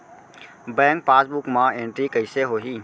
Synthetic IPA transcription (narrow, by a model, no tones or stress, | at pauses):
bɛ̃ːŋk̚paːsbukmãẽːɳʈɾikəɪseɦoːɦiː